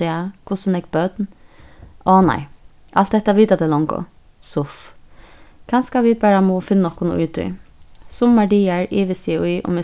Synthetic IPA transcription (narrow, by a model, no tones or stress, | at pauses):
ɛakʰʊsənɛk̚bœt̪n | ɔːna̰ɪ | ʔalt̪̚d̪ɛht̪ːaʋiːt̪at̪ʰɪlɔŋkʊ̰ | sʊf | kʰanskaʋɪbæːɹamɔfɪnːnɔhkʊnʊ̰ʉ̰ːt̪ʏ̰sʊmːaɖiːaɹiːʋɪsiʔʊjʔʊ̰mɪ